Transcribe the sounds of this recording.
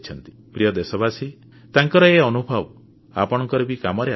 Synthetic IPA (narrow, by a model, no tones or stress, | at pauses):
t͡ʃʰɔnt̪i̥ | pɾijɔd̪esɔbasi | t̪aŋkɔɾɔeɔnubʱɔb | apɔɽ̃ɔŋkɔɾɔbikamɔɾe